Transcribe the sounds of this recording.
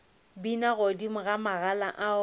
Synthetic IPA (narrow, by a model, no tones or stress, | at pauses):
binaɣodimʊɣamaɣalaʔa